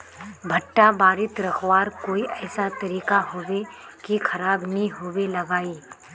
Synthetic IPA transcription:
bʱɐʈːabaːɾɪt̪ɾɐkʰwaːɾkoːiʔɛːsat̪ɐɾiːkaɦoːwe | kikʰɐɾaːbnɐɦĩɦoːwelɐɡaːiː

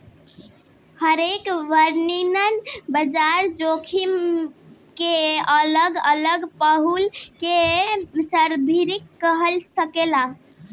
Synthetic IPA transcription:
həɾekʋəɾninənbəd͡ʒaɾd͡ʒokʰim | keələɡələɡpəɦulkesəɾb̪ʱiɾikːəɦəlsəkela

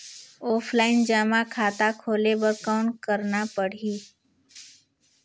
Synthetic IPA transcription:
oːpʰlaːɪnd͡ʒaːmãːkʰaːt̪akʰoːlebəɾkaʊɳkəɾnapəɽ̤iː

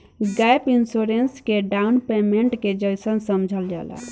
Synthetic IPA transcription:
ɡajpinsuɾenskeɖaunpemeɳʈked͡ʒəjsənsəmd͡ʒʱəld͡ʒa̰la̰

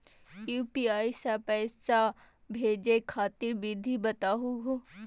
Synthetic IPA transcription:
juːpiaːjsapɛːsa | bʱeːd͡ʒekʰaːt̪iɾbid̪ʱibɐt̪aːɦuɦo

